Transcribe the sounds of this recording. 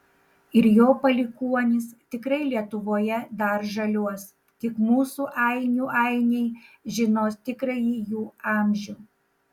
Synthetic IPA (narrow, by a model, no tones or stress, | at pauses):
ɪɾjoːpɐlʲɪkuɔnʲɪst̪ʲɪkɾɐɪlʲiɛt̪ʊʋoːjɛd̪ɐɾʒɐlʲuɔs | t̪ʲɪkmuːsuːʔɐɪnʲuːʔɐˑɪnʲɛɪʒʲɪnoːst̪ʲɪkɾɐjiːjuːɑˑmʲʒʲuː